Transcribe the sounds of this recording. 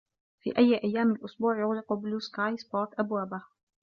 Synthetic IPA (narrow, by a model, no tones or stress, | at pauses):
fḭːʔajːʔajːaːmalʔʊsbuːʕjʊɣlɪqbʊluːskaːjsbɑɾˤt̪ʔabwaːba